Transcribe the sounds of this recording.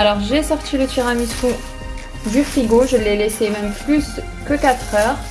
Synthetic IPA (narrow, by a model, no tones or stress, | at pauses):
alɔʁʒesɔʁt̪ʰilət̪ʰɥiʁamiskɔ̃ | d̪yfχiɡoʒəlɛlɛsemɛmplys | kəkat̪χœːʁ